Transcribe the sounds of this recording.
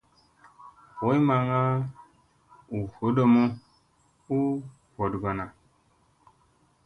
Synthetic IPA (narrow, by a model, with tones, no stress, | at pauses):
wo˨˦jma˨ŋa˦ | u˨ho˨˦do˦mo˦ | u˦ | ho˨dɡo˨na˨